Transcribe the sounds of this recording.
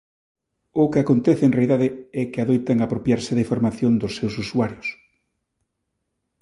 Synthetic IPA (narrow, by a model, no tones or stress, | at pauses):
ʊkɪakont̪ɛθɪeŋnreaiðaðeɛkɪaðojt̪aŋapɾopjaɾsɪðifoɾmaθjond̪ʊsːewsusuaɾjʊs